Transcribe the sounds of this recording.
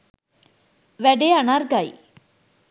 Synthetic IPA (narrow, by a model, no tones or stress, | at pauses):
ʋɛɖeanaɾɡaḭ